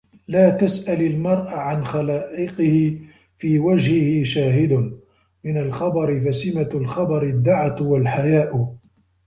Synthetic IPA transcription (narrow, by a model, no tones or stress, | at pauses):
laːt̪asʔalalmɑɾˤʔaʕanxalaːʔɪqɪhɪ | fiːwad͡ʒhɪhɪʃaːɦɪd̪ʊ | mɪnalxɑbɑɾɪfasɪmalxɑbɑɾɪd̪ːaʕat̪walħajaːʔ